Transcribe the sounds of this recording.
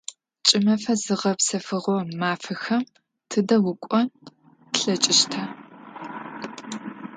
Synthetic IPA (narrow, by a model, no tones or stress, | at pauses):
t͡ʃʼɪmɐfɐzɨʁɐpsɐfɨʁomaːfɨxɐm | tʰɨdɐwʊkʷʼɔn | ɬɐt͡ʃʼɪʃtʰɐ